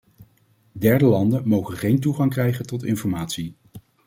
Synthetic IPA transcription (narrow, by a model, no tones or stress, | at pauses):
dɛɹdəlɑndənmowχənχejntuχɑŋkrɛjχəntɔtɪnfɔɹmaːtsi